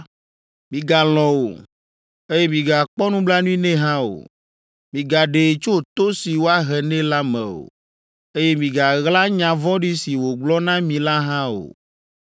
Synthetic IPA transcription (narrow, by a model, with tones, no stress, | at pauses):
mĩ˨ɡa˨lɔ̃˨wo̰˨ | e˦je˦mĩ˨ɡa˨k͡pɔ˦nũ˦bla˦nũ˦ĩ˦nɛ̃˦ɦã˦o̰˨ | mĩ˨ɡa˨ɖe˨t͡ʃo˦t̪o˦si˨wo˦a˦ɦɛ˨nɛ̃˦la˦mɛ̰̃˨o̰˨ | e˦je˦mĩ˨ɡa˨ɣla˦ɲã˨vɔ̃˦ɖi˦si˨wo˨ɡ͡blɔ˦nã˦mĩ˨la˦ɦã˦o̰˨